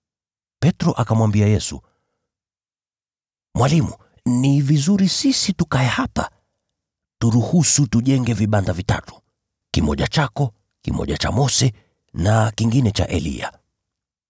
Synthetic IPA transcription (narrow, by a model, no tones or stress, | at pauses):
pɛtɾɔʔakamwambiajɛsu | mwalimṵ | nivizuɾisisitukaɛhapa̰ | tuɾuhusutuʄɛŋɡɛviɓandavita̰tu̥ | kimɔʄat͡ʃakɔ | kḭmɔ̰ʄat͡ʃa̰mɔsɛ | nakiŋɡinɛt͡ʃa̰ʔɛlḭa̰